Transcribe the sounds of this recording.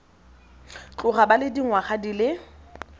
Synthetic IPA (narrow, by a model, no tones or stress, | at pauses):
t͡ɬʼʊχabalɪdiŋwaχadilɪ